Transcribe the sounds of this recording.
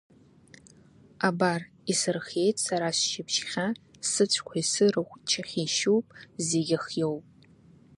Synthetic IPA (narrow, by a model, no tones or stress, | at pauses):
abar | isɨrχe̞jtʼsaɾasʃɪpʰʃχʲasɨt͡ɕʷʰkʷʰaisɨɾɨχʷt͡ʃʰaχʲiʃuwpʼzeɡʲɪχjo̞wpʼ